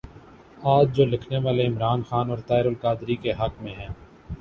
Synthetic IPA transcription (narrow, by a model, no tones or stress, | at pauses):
aːd͡ʒd͡ʒoːlɪkʰneʋaːleɪmɾaːnxaːnɔːɾt̪aːɪɾʊlkaːd̪ɾikeɦɐkmẽɦɛ̃ː